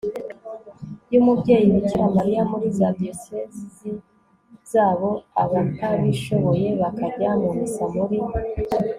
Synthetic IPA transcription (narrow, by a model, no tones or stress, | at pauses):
juːmubɟe̞ːjimiciɾamaɾijamuɾizabiosezi | z̥aːβo̞aβanaβiʃo̞βo̞je̞βakabjamomisamuɾi